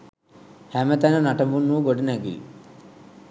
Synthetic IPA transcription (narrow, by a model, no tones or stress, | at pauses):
hæmət̪ænənaʈəmbunːuːɡoɖənæɡḭl